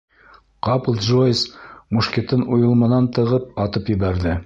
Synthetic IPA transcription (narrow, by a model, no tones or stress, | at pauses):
qɑplˠʒojsmuʃkʲet̪ɤnujɤ̆lˠmɤ̆nɑnt̪ɤ̆ʁɤp̚ɑt̪ɤpjɘ̆βæɾðɘ